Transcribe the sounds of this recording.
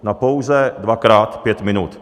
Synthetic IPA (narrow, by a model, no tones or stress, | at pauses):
napowzɛdvakɾaːt̪pjɛt̪mɪnut̪